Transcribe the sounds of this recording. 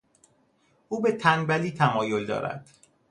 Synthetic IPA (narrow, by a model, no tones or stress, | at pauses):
ʔuːbet̪ʰænbæliːt̪ʰæmɒːjold̪ɒ̰ːɾæ̰d̪̥